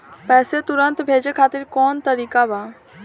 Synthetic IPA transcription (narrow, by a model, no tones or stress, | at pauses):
pɛːset̪ʊɾənt̪bʱeːd͡ʒekʰaːt̪ɪɾkɔːnt̪əɾiːkabaː